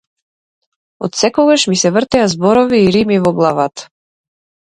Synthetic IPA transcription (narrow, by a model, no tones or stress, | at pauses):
ɔt̪sɛkɔɡaʃmisɛvərt̪ɛazbɔɾɔviːɾimivɔɡlˠavat̪ḁ